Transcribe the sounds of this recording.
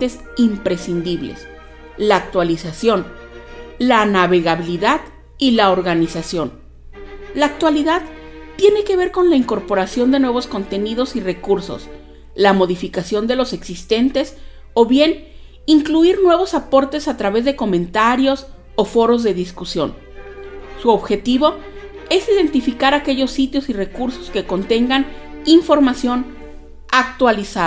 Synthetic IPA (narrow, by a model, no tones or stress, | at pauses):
t̪e̞s | impɾe̞sind̪iβlḛs | laːk̚t̪walisasjo̞n | lanaβe̞ɣaβiliðað | ilaoɾɣanisasjo̞n | laːk̚t̪waliðað | t̪ːje̞ne̞ke̞βe̞ɾko̞nlaiŋko̞ɾpo̞ɾasjo̞nd̪e̞nwe̞β̞osko̞nt̪e̞nið̞o̞sirekuɾso̞̰s | lamo̞ðifikasjo̞nd̪elo̞se̞ksist̪e̞nt̪e̞s | o̞βje̞n | iŋkluiɾnwe̞β̞o̞sapo̞ɾt̪e̞sat̪ɾaβe̞zðe̞ko̞mẽ̞nt̪aɾjo̞s | o̞fo̞ɾo̞zðe̞ðiskusjo̞̰n | suo̞βxe̞t̪iβo̞ | e̞siðe̞nt̪ifikaɾake̞ʝo̞sːit̪jo̞sire̞kuɾso̞̥ske̞ko̞nt̪e̞ŋɡaniɱfo̞ɾmasjo̞n | ak̚t̪walisa